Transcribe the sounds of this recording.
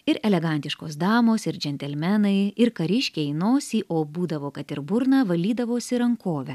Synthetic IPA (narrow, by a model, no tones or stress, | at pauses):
ɪɾɛlʲɛɡɐnʲt̪ʲɪʃkoːsd̪ɑːmoːsɪɾd͡ʒʲɛnʲt̪ʲɛlʲmʲɛnɐɪɪɾkɐɾʲɪʃʲkʲeɛɪnoːsʲiːʔoːbuːd̪ɐʋoːkɐt̪ɪɾbʊɾnɑːʋɐlʲiːd̪ɐʋoːsʲɪɾɐŋkoːʋʲɛ